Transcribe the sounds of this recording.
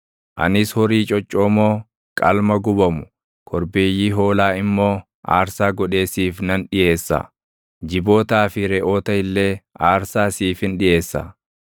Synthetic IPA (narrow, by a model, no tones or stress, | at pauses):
ʔɐ̰nɪshɔɾiːt͡ʃʼɔt͡ʃʼːoːmoː | kʼɐlmɐɡʊbɐmʊ̥ | kʰɔɾbeːjiːɦo̞ːlaːɪmːo̞ː | ʔa̰ːɾsaːɡɔᶑe̞ːsiːfnɐnᶑɪʔe̞ːsːa̰ | d͡ʒɪbo̞ːt̪aːfɪɾɛʔo̞ːt̪ɐhɪlːe̞ːʔaːɾsaːsiːfhɪnᶑɪʔe̞ːsːɐ̰